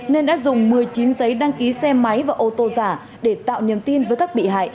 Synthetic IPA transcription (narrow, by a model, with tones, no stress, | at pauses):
ne˧nɗa̰ː˧˥zʊ˨˩ŋ͡mmɨ˨˩əjt͡ɕi˨˦nzə˨˦jɗaː˧ŋki˨˦sɛ˧ma˨˦jvaː˨˩ʔo˧t̪o˧zaː˧˩ | ɗe˧˩t̪a̰ː˧˨wɲi˨˩əmt̪i˧nvəː˨˦jkaː˦˥k̚ɓḭ˧˨ɦa̰ː˧˨j